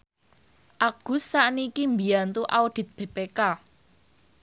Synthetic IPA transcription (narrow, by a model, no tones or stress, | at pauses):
ʔaɡ̥ṳsːaʔnikimbijant̪uʔaud̥i̤t̪̚b̥e̤peka